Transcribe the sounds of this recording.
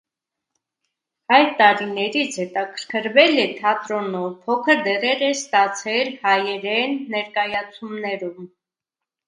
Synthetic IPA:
ɑjɾt̪ɑɾinɛɾit͡sʰhɛt̪ɑkʰəɾkʰəɾvɛlɛt̪ʰɑt̪ɾɔnɔvpʰɔkʰəɾd̪ɛʁɛɾɛst̪ɑt͡sʰɛɾhɑjɛɾɛnːɛɾkɑjɑt͡sʰumnɛɾum

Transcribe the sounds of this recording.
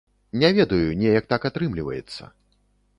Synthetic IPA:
nʲɛvʲɛd̪ɐjunʲɛjɐk̚t̪akat̪ɾɨmlʲivɐ̰jɛ̰t̪sːɐ̰

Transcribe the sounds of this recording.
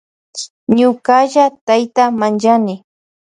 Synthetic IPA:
ɲʊkaʒat̪ajt̪amant͡ʃanɪ

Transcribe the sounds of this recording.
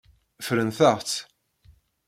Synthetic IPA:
fɾənθəʁt͡s

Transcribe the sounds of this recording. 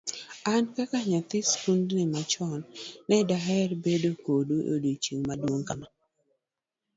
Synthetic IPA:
ankakaɲat̪ɪskundnɪmat͡ʃɔnːɛdaɦɛrbedokodoʔo̰dot͡ʃiŋmadwoŋkama

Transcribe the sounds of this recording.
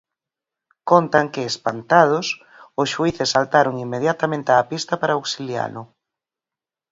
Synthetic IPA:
kont̪aŋkɪːspant̪að̞ʊs | ʊsʃuiθɪsːalt̪aɾʊŋimːeðjat̪amẽnt̪eaːpist̪ɐpaɾaaoksilja̰nʊ

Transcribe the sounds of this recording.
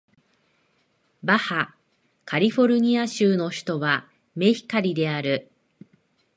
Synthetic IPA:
baha | kaɾʲiɸo̞ɾɯ̟ɲ̟iaɕɨːno̞çi̥t̪o̞βa | me̞çi̥kaɾʲid̪e̞aɾɯ̟

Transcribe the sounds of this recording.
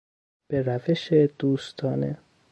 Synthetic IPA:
b̥eɾæveʃed̪̥uːst̪ʰɒːne

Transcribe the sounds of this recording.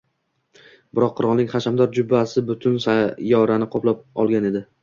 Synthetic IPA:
b̥ɪɾɒqʰːʊɾɒlˠnɪŋχaʃamd̪ɒɾd͡ʒʊbasɪbʊt̪ʰʊnsajɒɾanɪqʰɒplˠap̚ɒlˠɡʲane̞d̪ɪ

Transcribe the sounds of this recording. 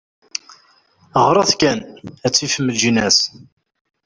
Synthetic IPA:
ʁɾˤɑθkænæt͡sːifəmːəlʒinæs

